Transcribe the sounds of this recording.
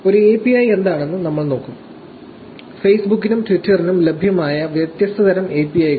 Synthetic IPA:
o̞ɾueːpːiɐje̞nd̪aːɳe̞nːɨnɐmːɐɭno̞ːkːum | fe̞jsbukːinumʈʋitːɐrinumlebʱjɐmaːjɐʋjɐt̪jɐst̪ɐðɐɾɐme̞pːiɐj

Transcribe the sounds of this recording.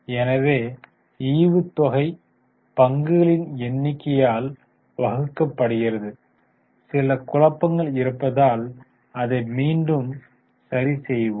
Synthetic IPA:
ɛnɐʋeː | iːʋɯt̪ːɔɣɐɪ | pɐŋɡɯɣɐɭɪnɛnːɪkːɐjaːl | ʋɐɣɯkːɐpːɐɽɯɣɪɾɐðɯ | sɪlɐkʊɻɐpːɐŋɡɐɭɪɾɯpːɐðaːl | ɐðɐɪmiːnɖɯm | sɐɾisɛjʋɯ

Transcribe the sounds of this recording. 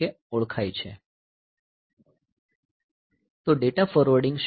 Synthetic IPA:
e | ɔɭkʰajt͡ʃʰe | t̪oɖeʈafɔɾʋəɾɖɪ̃ŋɡʃ

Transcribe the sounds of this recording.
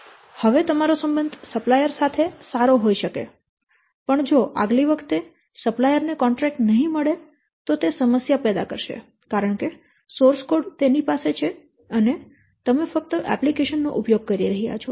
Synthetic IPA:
həʋet̪əmaɾosəmbənd̪ʱsəplajəɾsat̪ʰesaɾoɦoiʃəkḛ | pəɳd͡ʒoʔa̰ɡliʋəkʰt̪e | səplajəɾnekɔɳʈɾɛk̚ʈnəɦĩməɭe | t̪ot̪esəməsjapɛd̪a̰kə̰ɾʃḛ | kaɾəɳke | soɾskoɖt̪enipaset͡ʃʰe | əne | t̪əmefək̚t̪əʔɛ̰plikeʃənːo̰ʔʊpjoɡ̚kəɾiɾəɦija̰t͡ʃʰo

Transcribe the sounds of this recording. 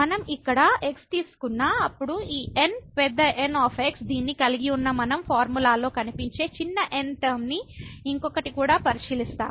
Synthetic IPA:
mɐnɐmikːɐɽɐe̞kst̪iːsu̥kunːaːɐpːuɽuiːʔenpɛd̪ːɐʔenaːpʰeksd̪iːnːikɐliɡiunːɐmɐnɐmpʰaːɾmulaːlo̞ːkɐnipiɲt͡ʃe̞ːt͡ʃinːɐʔenʈɐːmniiŋkɔkːɐʈikuːɽaːpɐɾiʃiːlist̪a̰ːm

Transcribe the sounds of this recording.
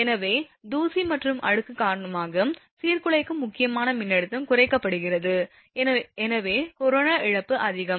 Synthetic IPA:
ɛnɐʋeːd̪uːsimɐʈrɯmʔɐ̰ɻɯkːɯkaːɾɐɳɐmaːɣɐm | siːrkɯɭɐɪkːɯmʊkːɪjɐmaːnɐmɪnːɛɽɯt̪ːɐmkʊrɐɪkːɐpːɐɽɯɣɪrɐðɯ | ɛnɐʋeːkɔɾoːnaːʔɪɻɐpːɯʔɐðɪɣɐm

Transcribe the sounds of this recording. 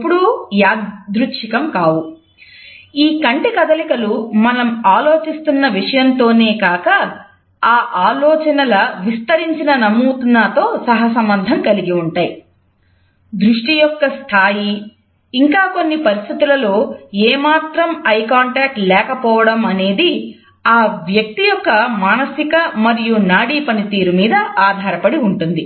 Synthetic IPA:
pːuɽujaːd̪ɾutʂikɐmkaːwu | iːkɐɳʈikɐd̪ɐlikɐlumɐnɐmaːlo̞ːt͡ʃist̪unːɐʋiʂɐjɐnt̪o̞ːne̞ːkaːkɐ | aːʔaːlɔːt͡ʃɐnɐlɐʋist̪ɐɾiɲt͡ʃinɐnɐmːut̪unːaːt̪o̞ːsɐɦɐsɐmbɐnd̪ʱɐmkɐliɡiuɳʈaːji | d̪ɾuʂʈijɔkːɐst̪ʰaːjiː | ŋkaːko̞nːipɐɾist̪ʰit̪ulɐlo̞ːeːmaːt̪ɾɐmɐjkaːɳʈaːk̚ʈlɛːkɐpɔːʋɐɽɐmɐne̞ːd̪i | aːʋjɐk̚t̪ijɔkːɐmaːnɐsikɐmɐɾijunaːɽiːpɐnit̪iːɾumiːd̪ɐaːd̪ʱaːɾɐpɐɽiuɳʈund̪i

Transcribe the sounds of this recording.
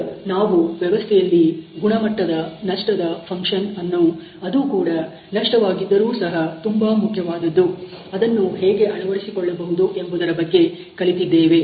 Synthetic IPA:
naːʋuʋjɛʋɐst̪ʰɛjɐlːiɡuɳɐmɐʈːɐd̪ɐnɐʂʈɐd̪ɐpʰɐŋkʂɐnɐnːu | ɐd̪uːkuːɽɐ | nɐʂʈɐʋaːɡid̪ːɐɾuːsɐɦɐt̪umbɐmukʰjɐʋaːd̪ɐd̪ːu | ɐd̪ɐnːuɦeːɡe̞ʔɐnuʋɐɾisikɔɭːɐbɐɦud̪uʔe̞mbud̪ɐɾɐbɐɡːe̞ | kɐɭit̪id̪ːeːʋe̞

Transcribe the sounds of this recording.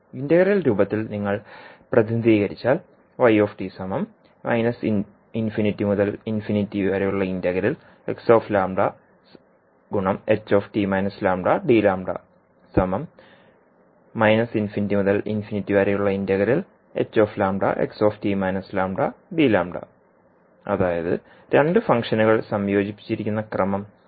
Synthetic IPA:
indɐɣɐɾilɾuːbɐt̪ːilniŋːɐɭprɐðind̪iːɣɐɾit͡ɕːaːl | ʋɐjo̞ːfʈisɐmɐm | mɐ̰jnɐs | infinitːimuðɐlinfinitːiɐɾejuɭːɐindɐɣɐɾil | e̞̰kso̞ːflaːmɖɐ | ɡuɳɐmet͡ɕːo̞ːfʈimɐjnɐslaːmɖɐɖiːlaːmɖɐ̰ | sɐmɐm | ɐjnɐsinfinitːimuðɐlḭnfinitːiʋɐɾejuɭːɐindɐɣɐɾil | e̞̰t͡ɕːo̞ːflaːmɖɐ̰ʔḛkso̞ːftimɐjnɐslaːmɖɐɖiːlaːmɖɐ̰ | ɐ̰ðaːjɐðɨ̰ | ɾeɳɖɨfɐŋkʂɐnuɣɐɭsɐmjo̞ːd͡ʑipːi̥t͡ɕːiɾikʲːunːɐkrɐmɐm

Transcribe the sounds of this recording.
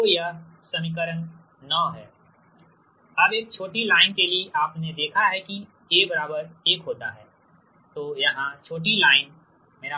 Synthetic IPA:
ja | sɐmikəɾə̃n | nɔːɦɛː | ɐbeːk̚t͡ʃʰoːʈilaːɪnkelieʔaːpned̪eːkʰaɦɛki | jebɐɾaːbəɾeːkɦoːt̪a̰ɦɛː | t̪oːjɐɦãt͡ʃʰoːʈ̬ilaːɪn | meːɾa

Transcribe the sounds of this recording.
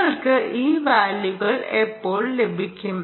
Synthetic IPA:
ɐɭkɨʔʔiːʋaːljuɣɐɭepːo̞ːɭle̞bʱikʲːum

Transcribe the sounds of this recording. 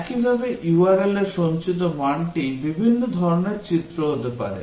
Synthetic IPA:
kibʱabeʔjuaɾeleɾʃont͡ɕit̪omaɳʈibibʱinːod̪ʱɔɾoneɾt͡ɕitt̪ːɾoɦot̪epa̰ɾḛ

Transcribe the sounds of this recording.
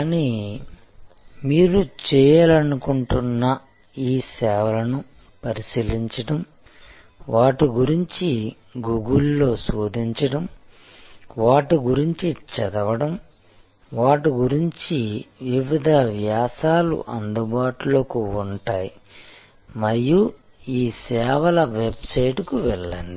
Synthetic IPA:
kaːni | miːɾut͡ʃɛːjɐlɐnukuɳʈunːɐ | iːsɛːʋɐlɐnu | pɐɾisiliɲt͡ʃɐʈɐm | ʋaːʈiɡuɾiɲt͡ʃi | ɡuɡulːo̞ːsoːd̪ʱiɲt͡ʃɐɽɐm | ʋaːʈiɡuɾiɲt͡ʃit͡ʃɛd̪ɐʋɐɽɐm | ʋaːʈiɡuɾiɲt͡ʃiʋiʋid̪ʱɐʋjaːsaːlṵʔɐnd̪ubaːʈuloːkuuɳʈaːji | mɐɾiju | iːsɛːʋɐlɐʋebsɐjʈukuʋɛɭːɐni

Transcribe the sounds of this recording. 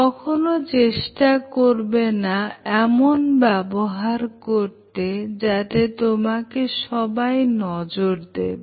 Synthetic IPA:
kɔkʰonot͡ɕeʃʈakoɾbenaɛmonbɛboɦaɾkoɾt̪ed͡ʑat̪et̪omakeʃɔbajnɔd͡ʑoɾd̪ḛbe

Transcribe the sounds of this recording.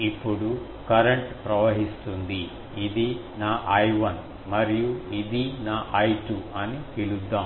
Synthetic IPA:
ipːuɽu | kɐɾeɳʈpɾɐʋɐɦist̪und̪iː | d̪i | naːʔɐjʋɐn | mɐɾijuid̪inaːʔɐjʈuɐnit̪ilud̪ːaːm

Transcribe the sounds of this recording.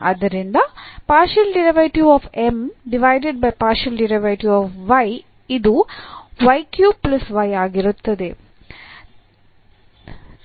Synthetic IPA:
ɐ̰d̪ɐɾind̪ɐpaːɾʃɐlɖiɾɐʋɐʈjuɔːfemɖiʋajɖeɖ̚bɐjpaːɾʃɐlɖiɾɐʋɐʈjuɔːfʋɐj | id̪uʋɐjkjuːplɐsʋɐjaːɡiɾut̪ːɐd̪e

